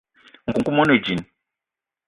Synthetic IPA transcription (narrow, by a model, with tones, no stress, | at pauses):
ŋ̩˨ku˨ŋ̩˨ku˦mɔ˦no˨d͡ʒi˨n˨